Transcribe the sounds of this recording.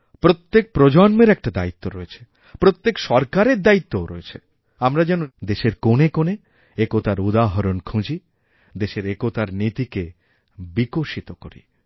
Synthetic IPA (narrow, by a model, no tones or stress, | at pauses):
pɾot̪ːek̚pɾod͡ʑɔnmeɾɛk̚ʈad̪a̰it̪ːoɾɔet͡ɕʰe̥ | pɾot̪ːekʃɔɾkaɾeɾd̪ait̪ːoɾɔ̰et͡ɕʰe | amɾad͡ʑɛnud̪eʃeɾkonekone | ekot̪aɾud̪aɦoɾonkʰũd͡ʑi | d̪eʃeɾekot̪aɾnit̪ike | bikoʃit̪okoɾḭ